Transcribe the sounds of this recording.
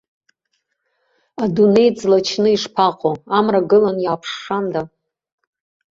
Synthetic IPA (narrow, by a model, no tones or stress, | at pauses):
adune̞jd͡zlat͡ʃʰnɨiʂpʰaqʼoamraɡɨlanjaːpʰʂːanda